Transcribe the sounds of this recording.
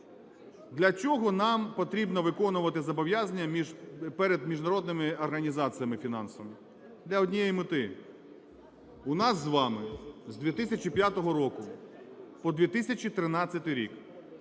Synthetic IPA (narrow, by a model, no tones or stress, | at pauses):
d̪lʲɐt͡ʃʲɔɦɔnɑmpɔt̪ɾʲibnɔʋɪkɔnʊʋɐt̪ɪzɐbɔʋjazɐnʲːɐmʲiʒpɛɾed̪mʲiʒnɐɾɔd̪̚nɪmɪɔrɦɐnʲizɑt͡s̪ʲɨjɐmɪfʲinɑ̰nsɔʋɐmɪ | d̪lʲɐɔdʲnʲijɛjimɪt̪ɪ | ʊnɑzːʋɑmɪzd̪ʋʲit̪ɪsʲɐt͡ʃʲipʲjat̪ɔɦɔɾɔkʊ | pɔd̪ʲʋʲit̪ɪsʲɐt͡ʃit̪ɾɪnɑt͡sʲːɐt̪ɪɾʲḭk